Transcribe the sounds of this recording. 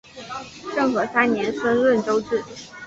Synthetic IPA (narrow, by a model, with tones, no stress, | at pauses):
ʂɤ˥˩ŋxɤ˧˥sa˥nnjɛ˧˥nswə˥nlwə˥˩nʈ͡ʂo˥ʊʈ͡ʂɻ̩˥˩